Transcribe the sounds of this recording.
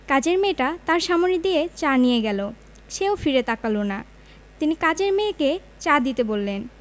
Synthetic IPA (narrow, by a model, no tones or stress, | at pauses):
kad͡ʑeɾmeʈat̪aɾʃamonid̪iet͡ɕanijeɡɛlo | ʃeofiɾet̪akalona | t̪inikad͡ʑeɾmeke | t͡ɕad̪it̪ebolːen